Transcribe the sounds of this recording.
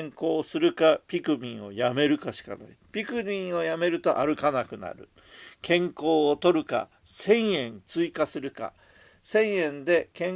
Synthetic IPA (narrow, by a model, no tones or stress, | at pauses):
ŋko̞ːsɨɾɯ̟kapʲikɯ̟mʲĩɰ̃o̞̰jame̞ɾɯ̟kaɕi̥ka̰na̰ipʲikɯ̟mʲĩɰ̃o̞jame̞ɾɯ̟t̪o̞ʔaɾɯ̟kanakɯ̟na̰ɾɯ̟ | kẽ̞ŋko̞ːt̪o̞ɾɯ̟ka̰ | sẽ̞ɰ̃jẽ̞nt͡sɨikasɨɾɯ̟ka̰ | sẽ̞ɰ̃jẽ̞nd̪e̞kẽ̞